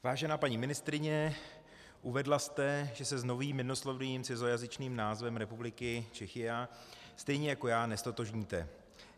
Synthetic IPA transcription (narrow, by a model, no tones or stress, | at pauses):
vaːʒɛnaːpaɲimɪnɪst̪ɾɪɲɛ | ʔuvɛdlast̪ɛʒɛsɛzno̞viːmːɪnoslovniːmt͡sɛzojazɪt͡ʃniːmnaːzvɛmɾɛpublɪkɪt͡ʃɛxɪjast̪ɛjɲɛjako̞jaːnɛst̪ot̪oʒɲiːt̪ɛ̰